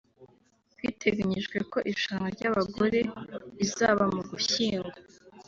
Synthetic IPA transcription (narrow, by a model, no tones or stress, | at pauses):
kwiːtʰe̞ɡaɲiʒɡweko̞ʔiʃaŋɡaɾɟaβaɡo̞ɾe̞izaːβamuɡuçiːŋɡa